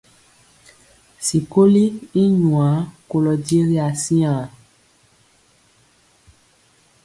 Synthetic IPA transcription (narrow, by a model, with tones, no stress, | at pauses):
si˨ko˦li˦i˦ɲũ˨ã˨˦ko˨lɔ˨de˦ɾi˦a˨sĩ˦ã˨